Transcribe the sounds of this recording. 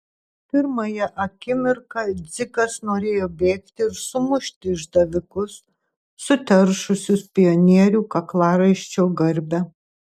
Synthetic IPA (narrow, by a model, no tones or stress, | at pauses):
pʲɪɾmɐjɛʔɐkʲɪmʲɪɾkɐd̪zʲɪkɐsnoːɾʲeːjoːbʲeːkt̪ʲɪɪɾsʊmʊʃʲt̪ʲɪɪʒd̪ɐʋʲɪkʊsː | ʊt̪ʲɛɾʃʊsʲʊspʲɪjonʲiɛɾʲuːkɐklˠɑːɾɐɪʃʲt͡ʃʲoːɡɐɾʲbʲɛ